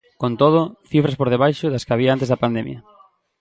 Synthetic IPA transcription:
kont̪oð̞ʊθifɾɐspoɾðeβ̞ajʃʊðɐskɪaβ̞iaant̪̬ezðɐpand̪ɛmjɐ̰

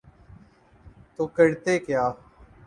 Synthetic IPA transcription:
t̪oːkəɽt̪eːkjaː

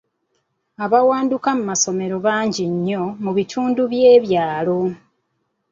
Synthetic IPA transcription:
aβawaːndukamumaso̞me̞ɾo̞βaːɲɟiɲːo̞muβitʰuːnduβje̞ːβjaːlo̞

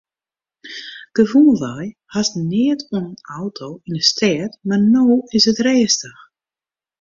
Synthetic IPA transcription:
ɡ̥əvulˠʋajhasnɪətʰunawtʰoːinəstʰɛətmarnoːɪsətreːstəx

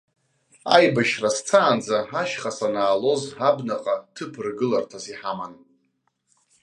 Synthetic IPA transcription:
a̰jbaʃrast͡sʰaːnd͡zaɦaʃχasanaːlo̞zabnaqʼatʰɨpʰɨrɡɨlartʰaziħaman

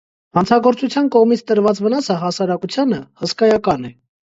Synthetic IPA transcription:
hɑnt͡sʰɑɡɔɾt͡sut͡sʰjɑnkɔʁmit͡sʰt̪əɾvɑt͡svənɑsəɦɑsɑɾɑkut͡sʰjɑnəhəskɑjɑkɑnɛ

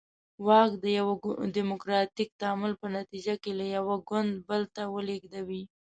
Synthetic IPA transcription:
wɑkd̪əjawadimʊkɾɑt̪ik̚t̪amʊlpənat̪id͡ʒakelajawaɡʊnd̪̚bəlt̪awəleɡd̪awi

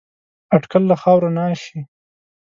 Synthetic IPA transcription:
aʈkalːaxɑwɾanɑːʃi

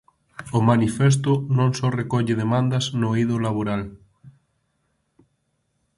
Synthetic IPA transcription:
omanifes̬t̪ʊnõŋsɔrekɔʎeð̞emãnd̪aznoiðolaβ̞oɾal

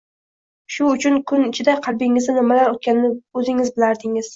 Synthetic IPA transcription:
ʃʊːt͡ʃʰʊnkʰʊnɪt͡ʃʰɪd̪aqʰɑlbɪŋɪzd̪ɪnɪmalaɾot̪̚kʲanɪnɪɵzɪŋɪzbɪlaɾd̪ɪŋɪz̥

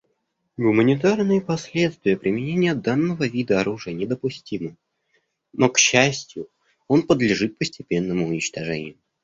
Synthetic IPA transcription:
ɡʊmənʲɪt̪arnɨjəpɐsʲlʲet̪st̪vʲɪjəpɾʲɪmʲɪnʲenʲɪjəd̪anːəvəvʲid̪əɐɾuʐɨjənʲɪd̪əpʊsʲtʲimə | no̞kɕːæsʲtʲjʊ | o̞npəd̪lʲɪʐɨt̪̚pəsʲtʲɪpʲe̞nːəmʊʊnʲɪt͡ɕt̪ɐʐɛnʲɪ̰jʊ

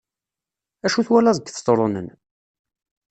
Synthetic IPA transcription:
æʃuθwælæzəɡːθt̪ˤɾˤonə̰n

